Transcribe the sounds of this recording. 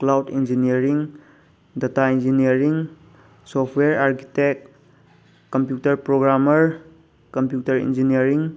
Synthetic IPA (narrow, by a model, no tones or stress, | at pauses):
klawdind͡ʒiniəɾiŋ | dataind͡ʒiniəɾiŋ | sɔpʰweɾaɾki̥tekː | ɔmpjutɐɾpɾoɡɾaməɾ | kɔmpjutɐɾḭnd͡ʒiniəɾiŋ